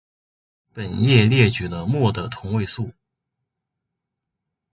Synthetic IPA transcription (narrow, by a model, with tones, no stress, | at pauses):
pə˨˩njɛ˥˧ljɛ˥˩t͡ɕy˨˩lə˦mwɔ˥˩d̪ə˨t̪ʰʊ˧˥ŋwe˥˧ɪsu˥˩